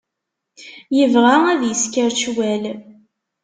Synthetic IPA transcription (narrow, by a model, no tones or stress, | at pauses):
jəvʁaæðjəskəɾt͡ʃwæl